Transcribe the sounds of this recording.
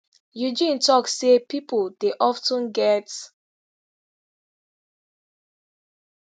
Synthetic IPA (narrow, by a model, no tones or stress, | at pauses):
jud͡ʒĩntɔksepipud̥eʔɔftɔ̃nɡɛt